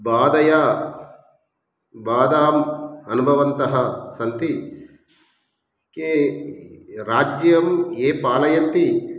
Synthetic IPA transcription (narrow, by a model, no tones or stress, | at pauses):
baːd̪ɐjaː | baːd̪aːmɐnubʱɐʋɐnt̪ɐɦɐsɐnt̪i | ke | ɾaːd͡ʒjɐmeːpaːlɐjɐnt̪i